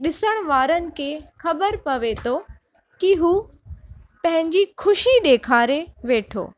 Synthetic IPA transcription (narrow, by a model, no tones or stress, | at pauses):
ɗɪsəɽ̃ʋaːɾənɪ̆kʰeːxɐbəɾpɐʋet̪ʰoː | kiɦuː | pɐ̃ɦɪ̃ɲd͡ʑixʰʊʃiɗ̪eːkʰaːɾeʋeːʈʰo̰ː